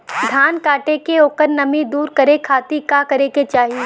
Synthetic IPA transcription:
d̪ʱaːnkaːʈekeoːkəɾnɐmid̪uːɾkɐɾekʰaːt̪ikakɐɾeket͡ʃaːɦie

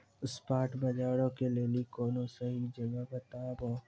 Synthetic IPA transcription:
ʊspaːʈbɐd͡ʒaːɽõkeleːlikoːnõseɦid͡ʒɐɡabɐt̪aːboː

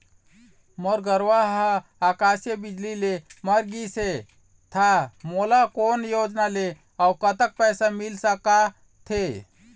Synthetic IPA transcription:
moɾɡəɾʋaɦəakasjəbid͡ʒlileməɾɡise | t̪ʰamolakonjod͡ʒnale | awkət̪ək̚pɛːsamilsəka | t̪ʰe

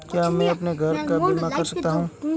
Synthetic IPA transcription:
kjaːmɛ̃ɐpneɡʱɐɾkabimakɐɾsɐk̚t̪aɦũː

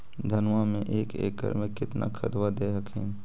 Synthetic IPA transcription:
d̪ʱənʋamẽʔeːkḛːkə̰ɾmẽkɪt̪na̰kʰət̪wad̪eːɦəkɦɛ̰̃ː

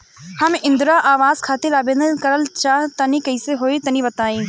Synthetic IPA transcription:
hɐmɪ̃nd̪ɾaːʔaːʋaːzkʰaːt̪ilaːbenəkɐɾəlt͡ʃaːɦt̪ɐnĩkɐɪseɦoːit̪ɐnĩbɐt̪aːĩː

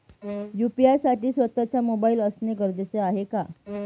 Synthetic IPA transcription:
jupiaɾsaʈiːsʋət̪at͡ɕamobaiːləsneɡəɾd̪et͡seaɦeka

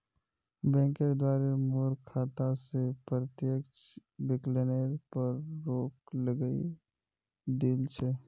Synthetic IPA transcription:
bɛ̃ːŋkeɾd̪waːɾemoːɾkʰaːt̪asepɾət̪jəkt͡ʃbɪkleːneɾpəɾːoːkləɡəḭ | d̪ilt͡ʃʰe

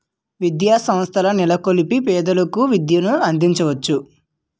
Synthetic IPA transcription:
ʋid̪jaːsɐmst̪ʰɐlɐnilɐkolipipɛːd̪ɐlɐkuʋid̪jɐnuɐnd̪iɲt͡ʃɐʋɐt͡ʃːu

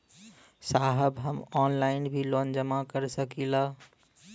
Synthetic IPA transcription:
saɦəbɦəmɔnlaɪinbʱilond͡ʒəmakəɾsəkila

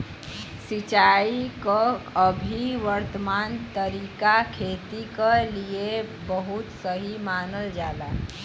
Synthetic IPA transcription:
sit͡ʃaikəəbʱiʋəɾt̪əmant̪əɾikakʰet̪ikəliebəɦut̪səɦimanəld͡ʒala

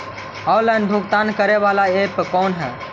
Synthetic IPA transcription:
ɔʊlənb̪ʱukt̪ankəɾɛʋalaepkɔːnɦɛː

